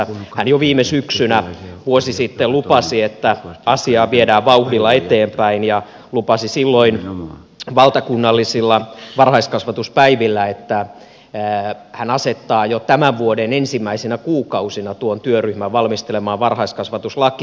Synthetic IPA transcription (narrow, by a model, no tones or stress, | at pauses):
hænjoʋiːmesyksynæʋuosisit̪ːelupɑsiet̪ːæɑsiɑːʋiedæːʋʋɑuhdilːɑet̪eːmpæinjɑ | lupɑsisilːoin | ʋɑlt̪ɑkunːɑlːisilːɑʋɑrhɑiskɑsʋɑt̪uspæiʋilːæet̪ːæ | hænɑset̪ːɑːjot̪æmæʋʋuodenensimːæisenækuːkɑusinɑt̪uont̪yøryhmæʋʋɑlmist̪elemɑːʋʋɑrhɑiskɑsʋɑt̪uslɑki